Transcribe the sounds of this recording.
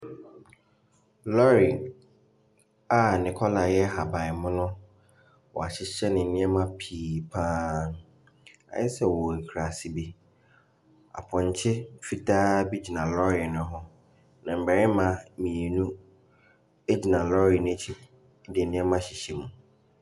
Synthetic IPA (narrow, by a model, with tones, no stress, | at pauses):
lɔ˦ɾi˨ | a˨nɪ̃˨kʰɔ˦la˨jɛ˦ɦa˨ba˨ɪ˨mʊ̃˦nʊ̃˦ | wɔ̰˨a˨t͡ɕʰɪ˦ɛ˦nɪ̃˨n̩˨nɪ̃˦ɛ˦mã˦pʰiː˨pʰaː˦n˨ | a̰˨jɛ˦sɛ˦wɔ˨e˨kʰɾa˨si˦bi˦ | a̰˨pʰɔ̃˨ɲ̩˨t͡ɕʰɪ˦fi˨tʰaː˦bi˦d͡ʑi˨nã˨lɔ˦ɾɪ˨nʊ̃˦ɦʊ˦ | nã˨m̩˨bɛ˨ɾɪ˦mã˨mĩ˨e˨nũ˦ | e˦d͡ʑi˨nã˨lɔ˦ɾi˨nẽ˦t͡ɕʰi˦ | dɛ˨˦nɪ̃˦ɛ˦mã˦ɕi˨ɕe˨mũ˨